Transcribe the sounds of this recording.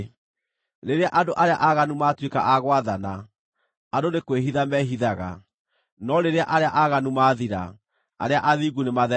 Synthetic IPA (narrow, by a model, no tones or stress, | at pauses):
ɾeɾeaʔadoʔaɾeaʔaɣanumatweka̰ʔaɣwaðana | adonekweɦiðamɛɦiðaɣa̰ | nɔɾeɾeaʔaɾeaʔaɣanumaːðiɾa̰ | a̰ɾeaʔaðiɣunemaðɛ